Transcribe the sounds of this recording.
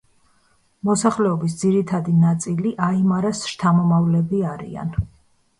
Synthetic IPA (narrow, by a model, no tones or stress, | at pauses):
mɔsaχlɛɔbis̬d̪ziɾit̪ʰad̪inat̪sʼiliʔaimaɾasʃt̪ʰamɔmavlɛbiaɾḭa̰n